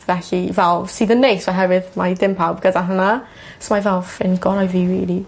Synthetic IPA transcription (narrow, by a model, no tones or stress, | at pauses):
vɛɬivɛlˠvsiːðənːejsaɦɛvɪðmadɪmpʰawb̚ɡədaɦəna | smavɛlˠfɪnɡɔɾajviːɹiːlˠi